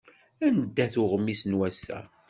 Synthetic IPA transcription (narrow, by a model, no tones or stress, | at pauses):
ænəd̪ːæθʊʁəmːisnwæsæ̰